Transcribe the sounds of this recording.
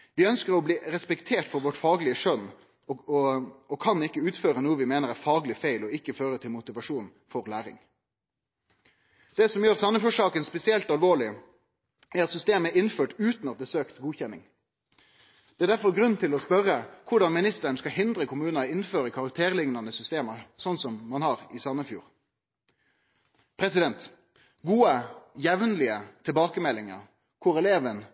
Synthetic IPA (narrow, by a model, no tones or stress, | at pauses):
ʋɪœnskəʁɾɔbliːɾɛspɛkt̪ʰeːʈfɔɾʋɔʈfɑːɡlɪəʂœnː | ɔkʰɑnɪkːəʉːt̪føːɾənuːəʋɪmeːnəʁæɾfɑːɡlɪfæɪlɔɪkːəføːɾət̪ʰɪlmʊt̪ɪʋɑʂuːn | fɔʁlæːʁɪ̰ŋ | d̪̥ɛsɔmjøːʁsɑmːəfɔʂɑːkənspɛsɪɛlt̪ɑlʋoːɭɪ | æɾɑt̪sʏst̪eːmæɾɪnføːʈʉːt̪nɑt̪̚d̪ɛːsøːkt̪ɡuːçɛnːɪ̰ŋ | d̪̥ɛæːd̪æʁfɔʁɡʁʉnːt̪ʰɪlɔspœʁəkʰʊʁɖɑnmɪnɪst̪əɳskɑhɪnd̪ʁəkʰʊmʉːnɑɪnføːʁəkʰɑʁɑk̚t̪ʰeːʁlɪŋnɑnəsʏst̪eːməsɔnsɔmːɑnhɑːʁɪsɑnəfjṵːʁ | pʰʁɛsɪd̪ɛnt̪ | ɡuːəjɛʋnlɪət̪ʰɪlbɑːkəmɛlːɪŋə̰ʁ | kʰʊɾɛleːʋən